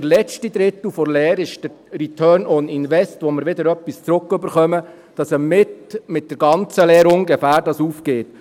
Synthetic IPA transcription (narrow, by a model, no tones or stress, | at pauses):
ɾlɛt͡ʃtid̪ɾɪt̪l̩ˠfɔɾlɛːɾɪʃd̥ə | ɾitʰœːɾnɔninʋɛstʋoməɾʋɪd̪əɾœpːist͡sɾʊkːɵbəɾχœmə | d̥ɑsəmɪtmɪt̚d̥əɾɡɑnt͡səlɛːɾʊŋɡɛfæːɾdɑsuːfkeːt